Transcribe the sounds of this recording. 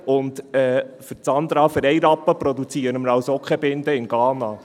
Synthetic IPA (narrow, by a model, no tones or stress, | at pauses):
ʊndɛːfəɾt͡sɑnd̪ɾɑːfəɾɛɪɾɑpːəpɾɔd̪ut͡siːəɾəməɾɑwsɔkχɛbɪnd̪əɪnɡ̥ɑːnɑ